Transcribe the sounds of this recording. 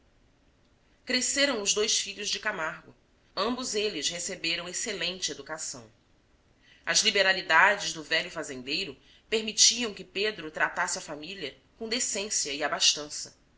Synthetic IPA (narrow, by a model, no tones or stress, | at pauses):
kɾeseɾɐ̃w̃ʊzd̪ojsfiʎʊzd͡ʒɪkamaɾɡʊ | ɐ̃mbʊzelɪshesebeɾɐ̃w̃eselẽnt͡ʃɪed̪ukasɐ̰̃w̃ | ɐzlibeɾalid̪ad͡ʒɪzd̪ʊvɛʎʊfazẽnd̪ejɾʊ | peɾmit͡ʃiɐ̃w̃kɪped̪ɾʊt̪ɾat̪asɪɐfamiliɐ | kõd̪esẽsiɐɪabaʃt̪ɐ̃sɐ